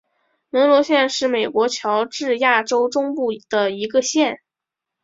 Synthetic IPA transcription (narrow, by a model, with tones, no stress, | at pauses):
nə˧˥nlwɔ˧˥ɕjɛ˥˧nʂɻ̩˥˩me˨˩ɪkwɔ˧˥t͡ɕʰjɑ˧˥ʊʈ͡ʂɻ̩˥˧ja˥˩ʈ͡ʂo˥ʊʈ͡ʂʊ˥ŋpu˥˩d̪̥ə˩i˧˥ɡə˧ɕjɛ˥˩n